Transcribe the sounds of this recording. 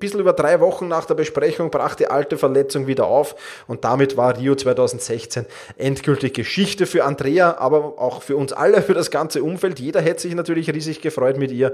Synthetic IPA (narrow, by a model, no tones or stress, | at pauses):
b̥ɪsl̩yːbɐd̥ʁaɪvɔχn̩naːχd̥eːɐbəʃpʁɛçʊŋbʁa̰ːχd̥iːʔaltəfɛɐlɛt͡sʊŋviːdɐʔa̰ʊf | ʊnt̚d̥amɪtvaːɐʁiːot͡sv̥aɪtʰaʊzn̩tsɛçt͡sen | ʔɛntɡ̥ʏltɪçɡ̥əʃɪçtəfyːɐandʁeːaʔa̰ːbɐʔa̰ʊxfyːɐʊnsʔa̰ləfyːɐɾasɡ̥ant͡səʊmfɛltjeːdɐɦɛtsz̥ɪçnatyːɐlɪçʁiːzɪçɡ̥əfʁ̥ɔʏtmɪtʔiːɐ